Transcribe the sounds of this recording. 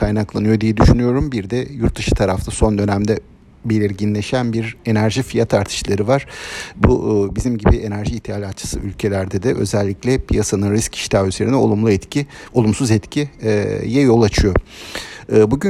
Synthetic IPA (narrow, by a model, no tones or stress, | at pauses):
kʰajnaklˠanɯjo̞d̪ijɛd̪yʃynyjo̞ɾumbiɾd̪ɛjuɾt̪ːɯʃɯ̥t̪ʰaɾaft̪ʰaso̞nd̪ø̞næmd̪ɛ | be̞lʲiɾɟinlʲe̞ʃænbiɾe̞næɾʒifijat̪ʰaɾt̪ʰɯ̥ʃlˠaɾɯvaɾ̥bubizimɟibiʔe̞næɾʒiːt̪ʰealʲat̪t͡ʃʰɯ̥sɯʔylʲcʰe̞lʲæɾd̪ɛd̪ɛʔø̞̰zɛlʲːiclʲɛpʰijasanɯnɾiscʰi̥ʃt̪ʰʲayze̞ɾinɛoumlˠuɛt̪iolˠumsuzɛt̪cʰijɛjo̞lˠat͡ʃʰɯjo̞ | ɯːbuɟy